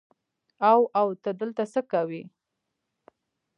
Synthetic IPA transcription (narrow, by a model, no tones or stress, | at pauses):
awawt̪ad̪əlt̪asəkawi